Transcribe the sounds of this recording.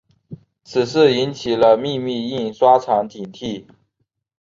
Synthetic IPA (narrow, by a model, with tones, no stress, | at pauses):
t͡s̩ʰ˨˩ʂɻ̩˥˩i˧˥nt͡ɕʰi˨˩lə˦mi˥˧mi˥˧i˥˩ŋʂwa˥ʈ͡ʂʰɑ˧˥ŋt̪ʰi˨˩ŋt̪ʰi˥˩